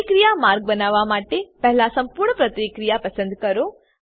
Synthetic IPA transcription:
kɾijamaɾɡ̚bənaʋamaʈepɛɦlasɐmpuɾɳəpɾət̪ikɾijapəsə̃nd̪kəɾo

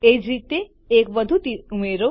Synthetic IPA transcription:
ed͡ʒɾit̪eː | kʋəd̪ʱut̪iumeɾo

